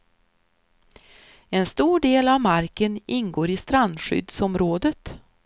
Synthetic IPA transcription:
ɛnst̪uːɖeːlavmaɾkənɪnɡoːɾɪst̪ɾand̪ɧʏ̰d̪sɔmɾoːd̪ət̪

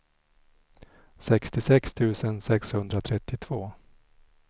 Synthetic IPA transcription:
sɛkst̪ɪsɛkst̪ʰʉ̟ːsənsɛkshɵnd̪ɾat̪ʰɾɛt̪ːɪt̪ʰv̥oː

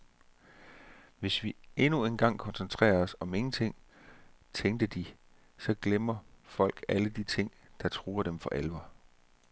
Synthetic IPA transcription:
ʋe̝sʋie̝nue̝nɡ̥ɑ̈ŋ̰kʰɒ̽nsent͡sʰʁɛ̰ːɐɒsɒ̽me̝ŋn̩t͡sʰe̝ŋ̰ | t͡sʰeŋɡd̥əd̥i | sɒ̽ɡ̥lemɐfɒ̽l̰ɡ̥æləd̥it͡sʰe̝ŋ̰d̥ɑ̈t͡sʰʁuːɐd̥emfɒ̽ʔelʋɐ

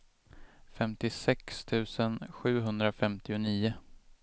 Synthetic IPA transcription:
fɛmt̪ɪsɛkst̪ʰʉ̟ːsənɧʉ̟ːɦɵnd̪ɾafɛmt̪ɪʊniːʊ

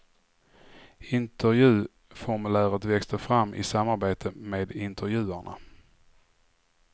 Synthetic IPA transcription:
ɪnt̪əɾjʉ̟ː | fɔɾmɵlæːɾət̪vɛkst̪əɾfɾamːʔɪ̰samːaɾbeːt̪ʰəmeːd̪ɪnt̪ʰəɾjʉ̟ːæɳa̰

